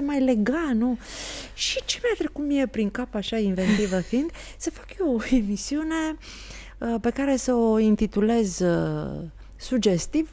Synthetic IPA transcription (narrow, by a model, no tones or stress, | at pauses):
emajle̞ɡalnuʃit͡ʃe̞mat̪ɾe̞kut̪mije̞pɾiŋkapaʃainve̞nt̪ivəfind̪ | səfḁkjeoe̞misiune̞ | əpe̞kaɾe̞səoint̪it̪ule̞z | sud͡ʒe̞st̪iv